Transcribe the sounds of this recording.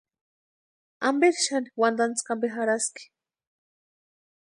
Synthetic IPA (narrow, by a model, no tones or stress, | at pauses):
ambeɾʃaniwand̪ant͡skambeɦaɾaski̥